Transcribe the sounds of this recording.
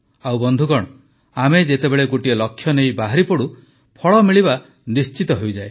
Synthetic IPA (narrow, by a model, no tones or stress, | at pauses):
awbɔnd̪ʱukɔɽ̃ɔ | amed͡ʒet̪ebeɭeɡoʈielɔkʰːjɔnejbaɦaɾipɔɽu | pʰɔɭɔmiɭiba | nist͡ʃit̪ɔɦejd͡ʒae